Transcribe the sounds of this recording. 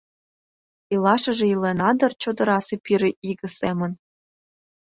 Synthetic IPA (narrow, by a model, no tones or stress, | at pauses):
ilɑʃɤ̆ʒĕilenɑd̪ɤ̆rt͡ɕod̪ɤ̆ɾɑsepiɾĕʔiɡə̆semə̆n